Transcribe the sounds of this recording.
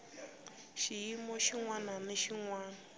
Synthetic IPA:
ʃijimɔʃiŋwananeʃiŋwaːna

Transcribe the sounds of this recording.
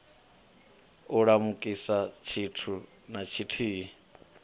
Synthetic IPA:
uɺamukʼisat͡ʃʰitʰu | nat͡ʃʰitʰiːi

